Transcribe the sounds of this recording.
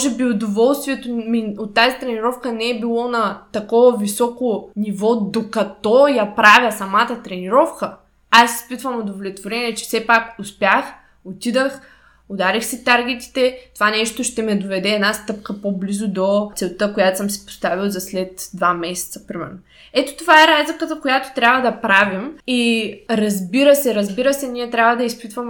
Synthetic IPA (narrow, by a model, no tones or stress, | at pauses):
ʒɛbiʊd̪ovɔlˠst̪viɛt̪omiot̪ːazit̪ɾɛniɾɔfkənɛɛbilˠɔnɐt̪ɐkɔvɐvisɔkonivɔd̪okɐt̪ɔjapɾavʲjəsɐmat̪ət̪ɾɛniɾɔfkə | asːi̥spit̪vɐmod̪ovlʲɛt̪voɾɛniɛt͡ʃɛ̥fsɛpakʊspʲjax | ot̪id̪əx | ʊd̪aɾixsɛt̪aɾɡ̟ɛt̪i̥t̪ɛt̪ovanɛʃt̪oʃt̪ɛmɛd̪ovɛd̪ɛːd̪nast̪ɤp̚kəpoblizʊd̪osɛlˠt̪ɤkojat̪o̥səmsi̥po̥st̪avilˠzɐslɛt̪d̪vamɛsɛ̥t̪sə̥pɾimɛ̰ɾno | ɛt̪o̥t̪ovaɛɾazlʲikət̪əkojat̪o̥t̪ɾʲjabvɐd̪ɐpɾavimiɾɐzbiɾəsɛɾɐzbiɾəsɛniɛt̪ɾʲjabvəd̪ɐispit̪vəm